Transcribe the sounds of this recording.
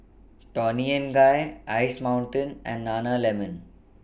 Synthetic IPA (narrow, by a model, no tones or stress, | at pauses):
ʈɔniə̃nɡajaɪsmãʊ̃ɳʈə̃nɛ̰̃nɖːaːnalɛmə̃n